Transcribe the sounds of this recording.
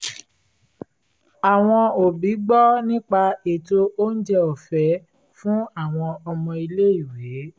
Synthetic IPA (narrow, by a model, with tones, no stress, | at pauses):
a˨w̃ɔ̃˧o˨bi˨˦ɡ͡bɔ˦nĩ˦k͡pa˧e˨to˧o˦n̩˦d͡ʒɛ˧o˨fɛ˨˦ | fũ˦a˦˨w̃ɔ̃˧ɔ˧mɔ̃˧i˧le˦i˦˨we˨˦